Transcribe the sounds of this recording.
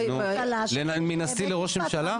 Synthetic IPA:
nu | leminast̪ileʁo̞ʃmeʃala

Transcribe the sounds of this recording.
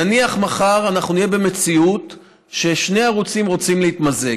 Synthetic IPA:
aniaχmaχaʁanaχnunijebe̞me̞t͡siut̪ | ʃe̞ʃne̞jaʁut͡simʁo̞t͡simleit̪maze

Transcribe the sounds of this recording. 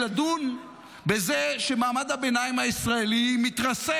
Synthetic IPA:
ladun | be̞zeʃe̞maːmad̪habenajimhaisʁaelimit̪ʁase

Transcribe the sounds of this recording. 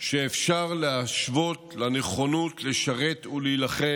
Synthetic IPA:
ʃeːfʃaʁleaʃvo̞tlaneχo̞nutleʃaʁe̞t̪ulilaχe

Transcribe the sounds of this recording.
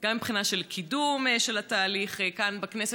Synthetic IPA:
ɡ̥amːipχinaʃelkʰidumʃelat̪aːliχekanbaknese

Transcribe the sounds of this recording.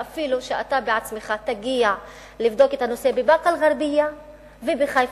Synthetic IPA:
ʔafiluʃeʔa̰t̪abeʕat͡smeχat̪aɡia | livd̪o̞ket̪hano̞se̞bebaqalʁaɾbija | vebeχajf

